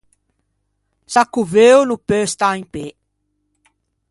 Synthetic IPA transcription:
sakuvewnupøst̪aĩŋpe

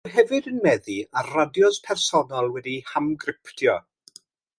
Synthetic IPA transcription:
rɦɛvɨdənmɛðiarradjɔspʰɛrsɔnalˠwɛdihamɡrɪptʰjɔ

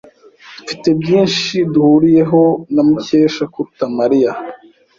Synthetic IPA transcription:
d̥ufite̞bjiːnʃiduhuɾije̞ɦo̞namuce̞ːʃakuutamaɾija

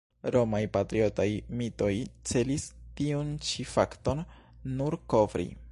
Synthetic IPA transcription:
ɾomajpatɾio̞tajmito̞jt͡se̞listiunt͡ʃifaktonː | uɾko̞vɾḭ

